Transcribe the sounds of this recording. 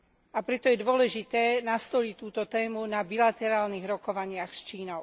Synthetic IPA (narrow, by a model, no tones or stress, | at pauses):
ʔapɾɛt̪ɔjɛd̪ʊɔlɛʒit̪ɛːnast̪ɔʎict̪uːt̪ɔt̪ɛːmunabilat̪ɛɾaːlniɣɾɔkɔʋaɲɪaxst͡ʃiːnɔʊ